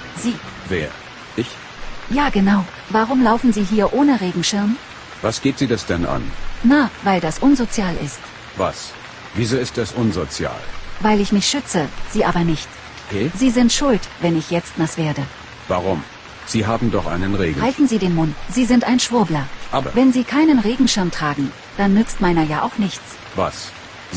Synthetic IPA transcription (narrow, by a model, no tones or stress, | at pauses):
ziːvḛːɐ | ʔɪç | jaːɡənaʊ | vaʁ̞ʊmlaʊfn̩ziːɦiːɐʔoːnəʁeːɡŋ̩ʃɪɐm | vasɡ̥eːtz̥iːdasd̥ɛnʔa̰nnavaɪldasʔʊnzot͡sjaːlʔɪ̰st | va̰s | viːzoːɪstdasʔʊnzot͡sja̰ːlvaɪlɪçmɪçʃʏt͡səz̥iːʔaːbɐnɪçt | ɛziːzɪntʃʊltv̥ɛnɪçjɛt͡stnasv̥eːɐdə | vaʁʊm | z̥iːɦaːbm̩dɔχʔa̰ɪnənʁḛːɡ̩haɪltn̩ziːdeːnmʊntz̥iːzɪntaɪnʃv̥ʊɐblɐʔʔaːbɐ̰vɛnziːkʰaɪnənʁeːɡŋ̩ʃɪɐmtʁ̥aːɡŋ̩ | d̥anːʏt͡stmaɪnɐjaːʔaʊxnɪçt͡s | va̰s | z